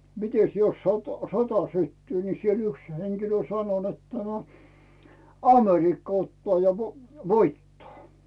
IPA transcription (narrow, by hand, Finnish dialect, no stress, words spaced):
mites jos sot sotɑ sytːyː ni siel yks heŋkilø sɑno netːæ no ɑmerikːɑ otːŏɑˑ jɑ ʋo ʋoitːɑː